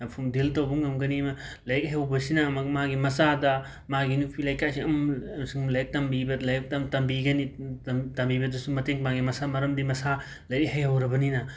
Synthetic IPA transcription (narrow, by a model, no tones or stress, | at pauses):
ɐpʰumdiltɐwbɐŋɡɐmɡɐniɐmɐlɐjk̚ɦajhɐwbɐsinɐmɐɡmaɡimɐsadɐ | maɡinupʰilɐjkʰasiɐmɐmsiŋlɐjɐk̚tɐmbibɐlɐjk̚tɐtɐmbiɡɐnitɐmbibɐdɐsumɐteŋmaɡimɐsamɐɾɐmdimɐsa | lɐjkhɐjhɐwɾɐbɐninɐ